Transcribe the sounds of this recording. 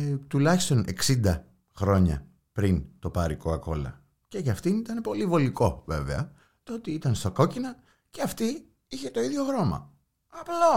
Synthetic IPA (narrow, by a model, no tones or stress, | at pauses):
t̪ulɐçist̪o̞ne̞ksind̪ɐ | xɾo̞ɲɐ̰ | pɾint̪o̞pɐɾiko̞ɐko̞lɐ̰ | ce̞ʝɐft̪init̪ɐnepo̞livo̞liko̞ve̞ve̞ɐ̰ | t̪oot̪iit̪ɐnst̪ɐko̞cinɐ | ceɐft̪i | içe̞t̪o̞iðʝo̞ɣɾo̞mɐ̰ | ɐplo